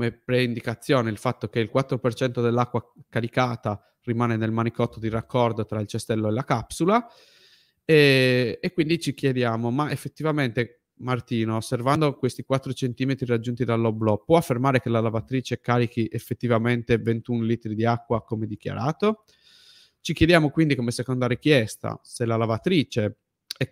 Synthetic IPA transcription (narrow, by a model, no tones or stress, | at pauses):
omepɾeind̪ikat̪sːjoːneilfat̪ːokeilkwat̪ːɾopert͡ʃɛnt̪od̪elːakːwakaɾikaːt̪a | rimaːnenelmanikɔt̪ːod̪irakːɔrd̪ot̪ɾailt͡ʃest̪ɛlːoelakapsula | ɛekːwind̪it͡ʃikjed̪jaːmomaefːet̪ːivament̪e | mart̪iːnoːsːervand̪okwest̪ikwat̪ːɾot͡ʃent̪iːmet̪ɾirad͡ʒːunt̪id̪alːoblɔpːwɔafːermaːɾekelalavat̪ɾiːt͡ʃekaːɾik̟iʔefːet̪ːivament̪event̪unliːt̪ɾid̪iakːwakomed̪ik̟ja̰ɾaːt̪o | t͡ʃikjed̪jaːmokwind̪ikomesekond̪arikjɛst̪a̰selalavat̪ɾiːt͡ʃe | ɛ